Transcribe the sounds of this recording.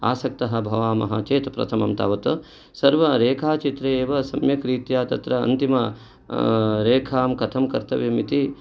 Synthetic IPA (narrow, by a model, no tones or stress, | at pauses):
a̰ːsɐk̚t̪ɐɦɐ̆bʱɐʋaːmɐ̰ɦɐt͡ʃeːt̪pɾɐ̰t̪ʰɐmɐ̰mt̪a̰ːʋɐt̪ɐ | sɐɾʋɐɾeːkʰaːt͡ʃit̪ɾeeːʋɐsɐmjɐkɾiːt̪jaːt̪ɐt̪ɾɐ̰ːnt̪imɐ | ɾeːkʰaːmkɐt̪ʰɐmkɐ̰ɾt̪ʰɐʋimit̪i